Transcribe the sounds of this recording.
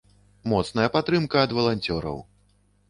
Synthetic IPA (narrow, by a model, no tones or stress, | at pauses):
mɔt̪sn̪ɐjɐpat̪ɾɨmkɐːd̪vɐlˠanʲt͡sʲɔɾɐ̰w